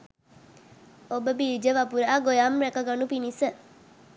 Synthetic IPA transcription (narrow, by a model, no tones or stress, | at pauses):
obəbiɾd͡ʒəʋapuɾaːɡojaːmɾekaɡɐnupinisə